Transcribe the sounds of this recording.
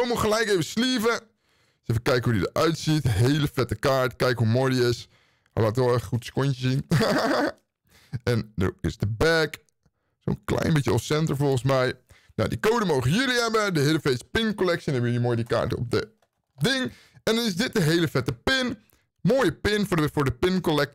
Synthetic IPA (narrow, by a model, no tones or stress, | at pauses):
owmuχəlɛjkejvəsliːvə | sefəkɛjkəɦudidə̰ʔœɥtsitɦeːləfɛtəkaːɹtkɛjkəɦumojdiɪs | ha̰jlaːtʋɔχutskontəsin | ʔɛndə̰ɪ̰sdəbɛk | so̰nklɛ̰jnbɪtjəɔsɛntəɹfɔlˠχənsmɛj | na̰wdikowdəmowχəjəliɦɛbədəɦeːləfespɪnkolɛk̚siɛnɛbəjəlimoːjdika̰ːɹtəɔ̰p̚də | dɪŋ | ɛndɔnɪsdɪt̚dəɦejləfɛtəpɪn | moːjəpɪnffʊːɹdəpɪnkolɛk̚t